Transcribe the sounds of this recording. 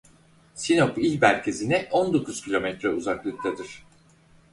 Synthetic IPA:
sino̞pilʲbæɾcʰezinɛʔond̪o̞kʰuz̥cʲʰilʲo̞mɛt̪ɾɛuzaklˠɯk̚t̪ʰad̪iɾ̝̥

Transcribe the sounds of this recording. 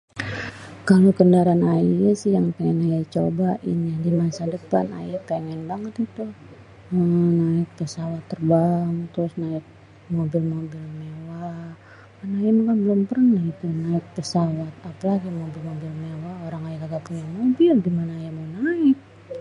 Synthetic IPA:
kalokəndaɾanaiasɪjaŋpɛŋɛnajat͡ʃobaʔɪ̰njadimasadəpana̰jpɛŋɛnbaŋət̪it̪u | ənaɪk̚pəsawat̪ːərbaŋt̪ɾʊsnaɪk̚ | mobɪlmobɪlmewa | kanajamakanbəlʊmpərnahit̪unaɪk̚pəsawat̪̚apalaɡimobɪlmobɪlmewaoɾaŋajakaɡapuɲaŋmobɪlɡimanaːjamawnaɪk̚

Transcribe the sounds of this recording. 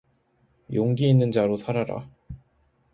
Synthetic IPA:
joŋɡiːnːɯnd͡ʑaɾosʰaɾaɾa̰

